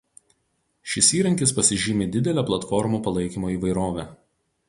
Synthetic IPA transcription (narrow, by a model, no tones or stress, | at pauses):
ʃʲɪsiːɾɐŋʲkʲɪspɐsʲɪʒʲɪːmʲeːd̪ʲɪd̪ʲɛlʲæplˠɐt̪fɔɾmuːpɐlˠɐɪkʲiːmoːiːˑʋɐɪɾoːʋʲæː